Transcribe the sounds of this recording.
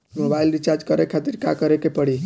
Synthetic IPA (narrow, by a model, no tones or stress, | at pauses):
mobailɾit͡ʃaɾd͡ʒkəɾekʰat̪iɾkakəɾekepəɽi